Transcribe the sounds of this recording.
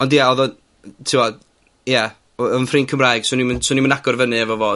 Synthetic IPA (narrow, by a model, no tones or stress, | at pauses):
ɔndjɛɔðɔ | tʰɪwɔ | jɛ | ɔnfrɨːnkʰəmraːjɡ̥sʊːnimnsɔːnimənaɡɔrvənɨɛvɔvoː